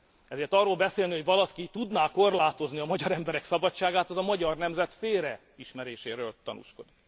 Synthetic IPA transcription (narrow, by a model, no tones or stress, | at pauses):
ɛzeːrt̪ɒrːoːlbɛseːlnihoɟvɒlɒkit̪ud̪naːko̞rlaːt̪o̞zniɒmɒɟɒɾɛmbɛɾɛksɒbɒt͡ʃːaːɡaːt̪ɒzɒmɒɟɒrnɛmzɛt̪feːɾɛ | iʃmɛɾeːʃeːɾøːlt̪ɒnṵʃko̞d̪ik